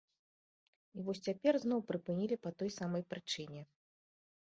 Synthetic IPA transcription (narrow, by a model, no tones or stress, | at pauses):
ivɔsʲt͡sʲapʲɛrznɔwpɾɨpɨnʲilʲipɐt̪ɔjsamɐjpɾɨt͡ʂɨnʲɛ